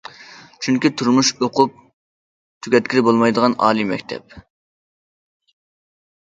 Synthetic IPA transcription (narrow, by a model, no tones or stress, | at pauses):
t͡ʃʰyŋkʲit̪ʰuɾmuʃoqʰʊp̚ | t̪ʰyɡʲɛt̪̚kʲiɾɪbolˠmɑjd̪əʁɑnɑ̰ːlˠimɛ̰kʲt̪ʰɛ̰p̚